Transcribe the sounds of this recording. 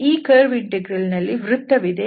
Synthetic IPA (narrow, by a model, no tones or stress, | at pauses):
iːkeːɾʋiɖ̚ɖeɡɾilnɐlːiʋɾut̪ːɐʋid̪e